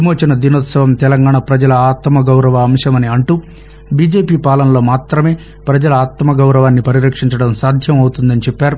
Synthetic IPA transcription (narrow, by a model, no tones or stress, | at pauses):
moːt͡ʃɐnɐd̪inot̪sɐʋɐmt̪ɛlɐŋɡaːɳɐpɾɐd͡ʒɐlɐaːt̪mɐɡɐwɾɐʋɐːmʂɐmɐniɐɳʈuː | biːd͡ʒe̞ːpiːpaːlɐnɐlo̞ːmaːt̪ɾɐme̞ː | pɾɐd͡ʒɐlɐaːt̪ɐmɐɡɐwɾɐʋaːnːipɐɾiɾɐkʂiɲt͡ʃɐɽɐmsaːd̪ʱjɐmɐwt̪und̪ɐnit͡ʃɛpːaːɾu